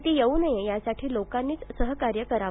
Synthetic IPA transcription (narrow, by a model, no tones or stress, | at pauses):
t̪iːjeunəjejasaʈʰiːlokanːiːt͡ssəɦəkaɾjəkəɾaʋ